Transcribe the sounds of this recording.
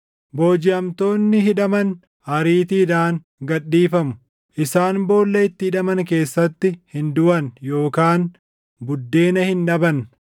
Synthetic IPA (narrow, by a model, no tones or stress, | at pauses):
bo̞ːd͡ʒɪɐmt̪o̞ːnːɪɦɪᶑɐmɐn | hɐɾiːt̪iːd̪aːŋ | ɡɐɗːiːfɐmʊ̥ | ʔɪsaːnbo̞ːlːɐɪt̪ːɪhɪᶑɐmɐnke̞ːsːɐt̪ːɪhɪnd̪ʊʔɐnjo̞ːkaːn | bʊd̪ːe̞ːnɐhɪnᶑɐbɐn